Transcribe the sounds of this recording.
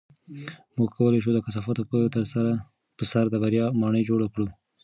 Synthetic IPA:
muɡ̚kʰawəlajʃ̬ud̪əkas̬ɑfɑt̪opət̪əɾsaɾa | pəsaɾd̪əbaɾjɑmɑɳəjd͡ʒoɽakɽu

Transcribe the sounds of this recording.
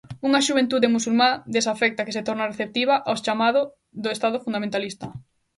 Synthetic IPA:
uŋɐʃuβ̞ẽnt̪uðemusulmãd̪esafɛk̚t̪akeset̪ɔɾnareθep̚t̪iβaʔawst͡ʃamaðʊ | ðʊest̪aðʊfund̪amẽnt̪alist̪ɐ

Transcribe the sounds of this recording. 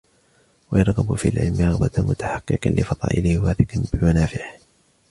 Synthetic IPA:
wajɑɾˤɣɑbfḭalʕɪ̰lmɪɾˤɑɣbɑt̪mʊt̪aħɑqːɨqɑnlɪfɑðˤɑ̰ːʔɪlɪhwaːθɪqnbɪmanaːfɪʕɪh

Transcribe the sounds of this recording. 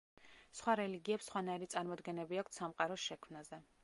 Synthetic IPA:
sχwaɾɛliɡiɛpsːχwanaiɾit̪sʼaɾmɔd̪ɡɛnɛbiakʷʰt̪samqʼaɾɔsʃɛkʰmnazɛ

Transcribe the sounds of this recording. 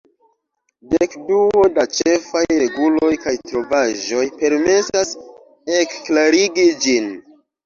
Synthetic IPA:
dekduo̞dat͡ʃe̞fajɾe̞ɡulo̞jkajtɾo̞vaʒo̞jpe̞ɾme̞sas | ekːlaɾiɡid͡ʒin

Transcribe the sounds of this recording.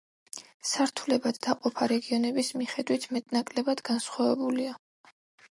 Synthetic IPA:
saɾt̪ʰulɛbad̪ːaqʼɔpʰaɾɛɡiɔnɛbismiχɛd̪wit̪ʰmɛt̪ʼnakʼlɛbad̪̥ɡansχwavɛbulia

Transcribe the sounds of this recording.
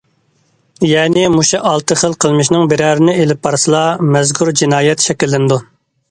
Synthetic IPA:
jɛːnɪmuʃɛʔɑlˠt̪ʰɨχəlˠqʰəlˠmɨʃnɪŋbɪɾæːɾɪnɪelɪp̚bɑɾsɨlˠɑːmɛzkʰʲuɾd͡ʒinɑːjɛt̪ʃɛkʲilːɪnɪd̪u

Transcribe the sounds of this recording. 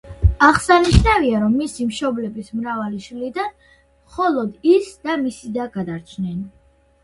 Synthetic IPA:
aχsaniʃnaviaɾɔmːisimʃɔblɛbismɾavaliʃlid̪an | χɔlˠɔd̪isd̪̥amisid̪aɡad̪aɾt͡ʃʰnɛn

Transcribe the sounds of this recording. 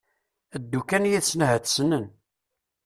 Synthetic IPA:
əd̪ːukænjiθsːnəɦət̪ːsnən

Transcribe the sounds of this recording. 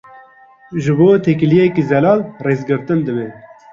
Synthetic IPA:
ʒɨboːt̪ʰɛkilijekizɛlɑːlreːzɡɨɾt̪ɨnd̪ɨbe

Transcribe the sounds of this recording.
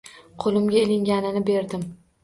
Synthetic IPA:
qʰolˠɪmɡʲaelɪŋɡʲanɪnɪbeɾd̪ɪm

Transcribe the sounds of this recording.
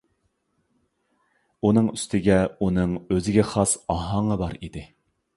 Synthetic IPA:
unɨŋyst̪ʰɪɡʲɛunɨŋøzɪɡʲɛχɑsɑɦɑŋɑbɑɾid̪ɪ

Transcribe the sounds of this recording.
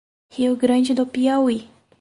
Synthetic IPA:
hiwɡɾɐ̃nd͡ʒɪd̪opiawi

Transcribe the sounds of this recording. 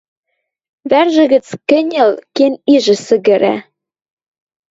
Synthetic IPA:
βærʒɘ̆ɣɘ̆t͡skɘ̆nʲɘ̆lkeniʒɘ̆sɘ̆ɣɘ̆ɾæ̰

